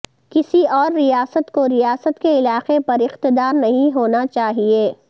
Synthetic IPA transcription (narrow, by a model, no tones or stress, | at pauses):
kɪsiɔːɾːijaːsət̪koɾijaːsət̪keɪlaːqepɐɾɪqt̪ɪd̪aːɾnɐɦĩɦoːnat͡ʃaːɦieː